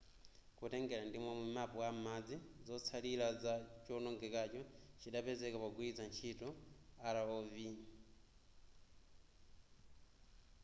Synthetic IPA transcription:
kutɛŋɡɛɾandimɔmumapɔam̩mad͡zizɔt͡sʰalilazat͡ʃɔnɔŋɡɛkat͡ʃɔt͡ʃiɗapɛzɛkapaɡuid͡zant͡ʃʰitɔalaɔvi

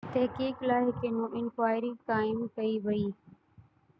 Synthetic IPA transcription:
t̪ɐɦkiːklaːɦɪkeːnũːʔɪnkʋaːɪɾiːkaːɪmkəiːʋɐiː

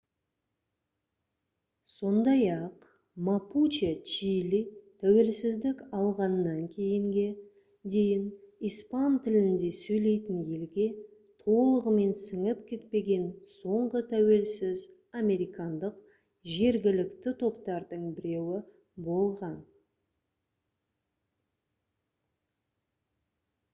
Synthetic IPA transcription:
so̞nd̪ɑjɑq | maput͡ʃet͡ʃilit̪ʰæwe̞lsɪzd̪ɪkɑlˠʁɑnːɑŋkʲʰe̞jɪŋɡʲe̞ | d̪e̞jɪnijspɑnt̪ʰɪlɪnd̪e̞sɵjle̞jt̪ɪnje̞lɡʲe̞ | t̪ʰo̞lˠəʁəme̞nsəŋəp̚kʲʰe̞t̪̚pe̞ɡʲe̞nso̞ɴʁət̪ʰæwe̞lsɪz | amʲe̞ɾijkɑnd̪əq | ʒe̞ɾɡʲɪlɪkt̪ɪt̪ʰo̞pt̪ɑɾd̪əɴbɪɾe̞wɪ | bo̞lˠʁɑn

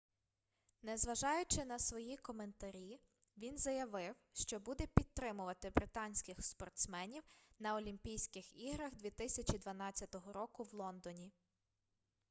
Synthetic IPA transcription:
nɛzʋɐʒɑjʊt͡ʃɪnɐsʋɔjikɔme̞nt̪ɐɾʲi | ʋʲinzɐjɐʋɪwʃt͡ʃɔbud̪ɛpʲid̪̚t̪ːɾɪmʊʋɐt̪ɪbɾɪt̪ɑnʲsʲkɪxspɔrt̪smɛnʲiwnɐɔlʲimʲpʲijsʲkɪxiɦɾɐɣd̪ʋʲit̪ɪsʲɐt͡ʃʲid̪ʋɐnɑt͡sʲːɐt̪ɔɦɔɾɔkʊwlˠɔnd̪ɔnʲi

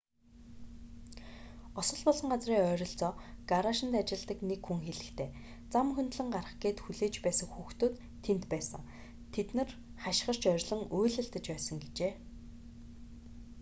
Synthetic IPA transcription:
ɔsɞ̆ɮpɔɮɞ̆ŋɢat͡sriːŋœːɾʲɞ̆ɬt͡sɔːɡ̥aɾaʃɪ̆nt̪at͡ɕɪ̆ɮt̪ə̆knekxuŋxeɮɘ̆xt̪ʰeː | t͡samxɵnt̪ɮɘ̆ŋɢarə̆χɡeːt̪xuɮeːt͡ɕpæːsə̆ŋxuːxt̪oːt̪ʰːent̪pæːsə̰̆ŋ | t̪ʰet̪nɘ̆rχaʃ̆χə̆r̥t͡ɕœɾʲɮɞ̆ŋoːɮɘ̆ɬt̪ə̆t͡ɕpæːsə̆ŋɡet͡ɕeː

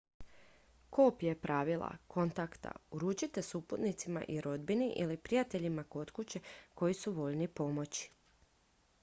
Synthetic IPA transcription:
koːpje̞pɾʔaːʋilˠa̰ko̞nt̪akt̪a̰uɾuːt͡ɕit̪e̞suput̪nit̪sima̰ʔiɾo̞d̪biniʔilipɾijat̪e̞ʎimako̞t̪kut͡ɕeko̞jisuʋo̞ʎnipo̞mo̞t͡ɕi̥

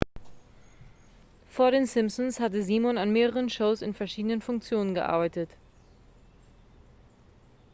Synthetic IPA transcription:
foːɐɾeːnsɪmsɔnshatəziːmɔnanmeːʁəʁənʃoʊsɪnfɛɐʃiːdənənfʊŋk̚t͡sjoːnənɡəʔa̰ɐbaɪtət

